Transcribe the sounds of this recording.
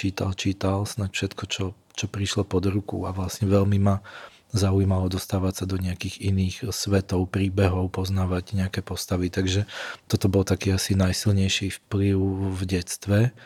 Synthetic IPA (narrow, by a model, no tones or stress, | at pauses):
t͡ʃiːt̪a̰lt͡ʃiːt̪alsnacfʃɛt̪kʰɔt͡ʃɔ | t͡ʃɔpɾiʃlɔpɔd̪ɾukṵaʋlasɲɛʋɛʎmima | zaujmalɔd̪ɔst̪aːʋacsad̪ɔɲɛakiːɣiniːxsʋɛt̪ɔʊpɾiːbɛɦɔʊpɔznaːʋaɟɲɛakɛpɔst̪aʋit̪aɡʒɛt̪ɔt̪ɔbɔlt̪akiːasinajsilɲɛjʃifpliʊvɟɛst̪ʋɛ